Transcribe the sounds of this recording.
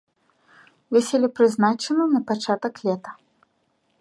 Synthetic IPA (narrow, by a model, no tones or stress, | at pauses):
vʲɛsʲɛlʲipɾɨznat͡ʂɛnɐnɐpat͡ʂat̪ɐklʲɛt̪ɐ̥